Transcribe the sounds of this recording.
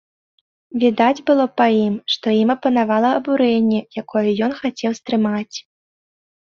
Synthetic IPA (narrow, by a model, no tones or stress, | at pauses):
vʲid̪ad͡zʲbɨlˠɔpɐjimʂt̪ɔimɐpɐnavalˠɐɐːbuɾɛnʲːɛjakɔjɛjɔnxat͡sʲɛwst̪ɾɨmat͡sʲ